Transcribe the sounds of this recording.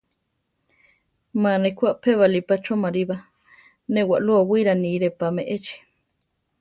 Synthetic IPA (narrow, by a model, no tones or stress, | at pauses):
mãnekʰʷaʔpʰeβalipat͡ʃomaɾiβa | nẽwaʔluawiɾaniɾepamẽʔet͡ʃi̥